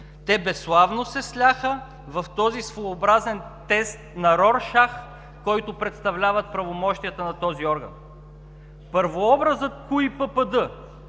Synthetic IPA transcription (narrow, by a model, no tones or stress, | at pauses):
t̪ɛbɛslˠavnosɛslʲaxə | vɐft̪ɔzisvoːbɾazɛnt̪ɛst̪nɐɾɔɾʃax | kɔjt̪ʊpɾɛt̪st̪ɐvlʲavət̪̚pɾɐvomɔʃt̪ijət̪ənɐt̪ɔziɔɾɡɐ̰n | pɤɾvoɔbɾəzət̪̚kuipəpəd̪ɤ